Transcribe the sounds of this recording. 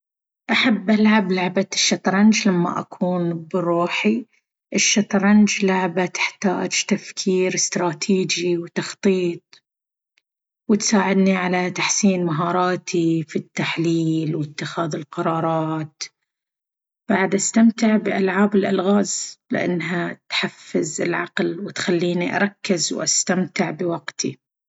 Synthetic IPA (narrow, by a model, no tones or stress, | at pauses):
ʔaħabːʔalʕablaʕbaʃːɑt̪ˤɾˤɑnd͡ʒlamːa̰ʔa̰kʰuːnbɪruːħi | ʔɪʃːɑt̪ˤɾˤɑnd͡ʒlaʕbat̪ɪ̥ħt̪aːd͡ʒt̪afkʰiːɾɪst̪ɾˤɑːt̪ʰiːd͡ʒiwt̪ɑxt̪ˤiːt̪̚ˤ | wɪt̪saːʕɪd̪niʕalat̪aħsiːnmaɦɑːɾˤɑːt̪ʰifit̪ːaħliːlwɪt̪ːɪxaːðɪlqɑɾˤɑːɾˤɑːt̪ | b̥aʕd̪ʔast̪amt̪ɪʕbɪʔalʕaːbɪlʔalɣaːzlɪ̰ʔa̰nːɦat̪ħafːɪzɪlʕɑqlwɪt̪xalːiːniʔɑ̰ɾˤɑkːɪzwʔa̰st̪amt̪ɪʕbɪwaɡt̪ʰḭ